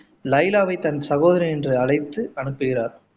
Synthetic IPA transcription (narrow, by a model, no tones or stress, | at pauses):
lɐɪlaːʋɐɪt̪ɐnsɐɣoːðɐɾiɛndrɯɐɭɐɪt̪ːɯɐɳɯpːɯɣɪraːɾ